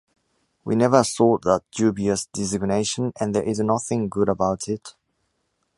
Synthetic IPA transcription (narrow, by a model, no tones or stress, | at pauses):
wḭnɛvəsɔˑʔ̚ðət̚d͡ʒ̥ʉːbiəsd̥ɪzɪɡ̚neɪʃə̃nə̃nðəɹʔɪznʌθɪ̃ŋɡʊɾəbaʊtʰɪt